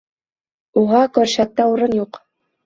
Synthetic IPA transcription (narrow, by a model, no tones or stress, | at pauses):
uʁɑkɵɾʃæt̪ːɑuɾɤnjuq